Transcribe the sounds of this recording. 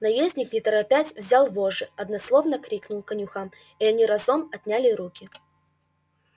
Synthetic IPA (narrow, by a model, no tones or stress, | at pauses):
nɐjezʲnʲɪknʲɪt̪əɾɐpʲætʲvzʲalˠvoʐɨɐd̪nɐslˠovnəkɾʲiknʊlˠkɐnʲʊxam | iɐnʲiɾɐzomɐt̪ʲnʲalʲɪɾukʲɪ